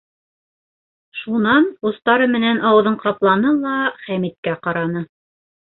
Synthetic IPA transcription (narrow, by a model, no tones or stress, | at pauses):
ʃunɑnŭst̪ɑɾɤmɘ̆nænʔɑwɤ̆ðɤɴqɑplˠɑnɤlˠɑχæmit̪̚kæqɑɾɑnɤ